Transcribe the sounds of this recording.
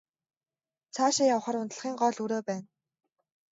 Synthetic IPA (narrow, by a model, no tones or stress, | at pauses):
t͡sʰaːʃɪjawχə̆rʊnt̪ə̆ɮ̆χiːŋɢɔːɮuɾoːpæːn